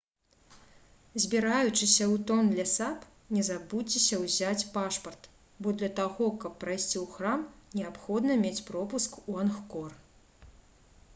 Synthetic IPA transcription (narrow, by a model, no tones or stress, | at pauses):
zʲbʲiɾajut͡ʂɨsʲɐwt̪ɔnd̪lʲɐsap | nʲɛzabut͡sʲːisʲɐwzʲat͡sʲpaʂpɐrt̪ | bɔd̪lʲɐt̪aɣɔkɐpːɾajsʲt͡sʲiwxramnʲɛapxɔd̪nɐmʲet͡sʲpɾɔpuskuanxkɔr